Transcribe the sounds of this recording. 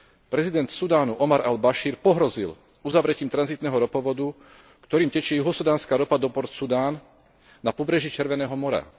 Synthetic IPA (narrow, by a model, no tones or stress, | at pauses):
pɾɛzid̪ɛnt̪sud̪aːnuʔɔmaɾʔalbaʃiːɾpɔɦɾɔzil | uzaʋɾɛciːmt̪ɾanzit̪nɛːɦɔɾɔpɔʋɔd̪u | kt̪ɔɾiːmcɛt͡ʃɪɛjuɦɔsud̪aːnskaːɾɔpad̪ɔpɔɾt̪sud̪aːnː | apɔbɾɛʒit͡ʃɛɾʋɛnɛːɦɔmɔɾa̰